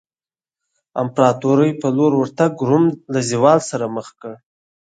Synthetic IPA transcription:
a̰mpɾɑt̪oɾəjpəloɾwəɾt̪aɡɾumlaziwɑlsaɾaməχkəɽ

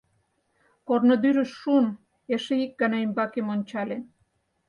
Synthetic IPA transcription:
kornod̪yɾəʃːun | eʃeik̚ɡənɑjmbɑkemonʲt͡ɕɑlen

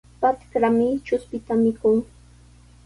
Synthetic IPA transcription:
pat̪kɾamɪt͡ʃʊspɪt̪amɪkʊŋ

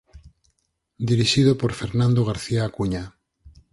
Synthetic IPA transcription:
d̪iɾiʃiðopoɾfeɾnãnd̪oɣ̞aɾθiaːkuɲa

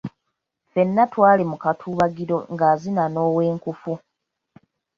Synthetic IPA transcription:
fe̞nːatwaːlimukatʰuːβaɡiɾo̞̰ŋɡaːzinano̞ːwe̞ːŋkufu

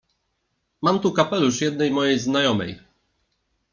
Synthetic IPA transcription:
mamt̪ukapɛluʂjɛd̪nɛjmɔjejznajɔmɛ̰j

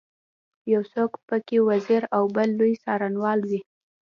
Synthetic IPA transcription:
jawsokpəkewaziɾawbəlːojsɑɾanwɑld̪i

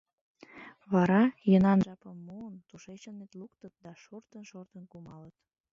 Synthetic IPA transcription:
βɑɾɑjənɑnʒɑpəmːoːnt̪uʃet͡ɕənːet̪lukt̪ət̪̚d̪ɑʃort̪ənʃort̪ənkumɑlət̪

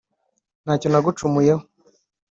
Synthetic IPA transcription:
naːconaɡut͡ʃumujeho

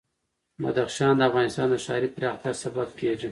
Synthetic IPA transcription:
ma̰d̪axʃɑnd̪əafɣɑnɪst̪ɑnd̪əʃɑɾipɾɑxt̪asabab̚keʐi

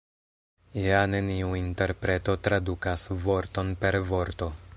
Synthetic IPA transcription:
iane̞niuinte̞ɾpɾe̞to̞tɾadukasvo̞ɾto̞npe̞ɾvo̞ɾto̞

